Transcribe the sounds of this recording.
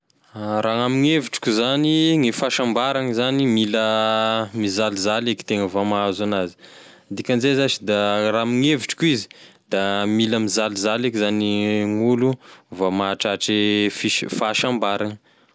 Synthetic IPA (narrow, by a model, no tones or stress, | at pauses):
ɾaamiŋeviʈ͡ʂi̥kʲuzaniŋifaʃambaɾaŋzanimilə | mizalizaleki̥t̪eŋəvamaazanazi̥ | d̪ikʲand͡ʒezat͡ʃi̥d̪aramiŋeviʈ͡ʂi̥kʲuizi̥d̪̥amiləmizalizalekizaniŋuluvamaːʈ͡ʂaʈ͡ʂifiʃfaʃambaɾaŋə